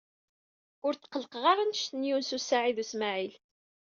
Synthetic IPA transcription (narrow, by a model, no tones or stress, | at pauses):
ʊɾθqələqʁɑɾˤənəʃt̪ənjunsusaʕiðusmaʕil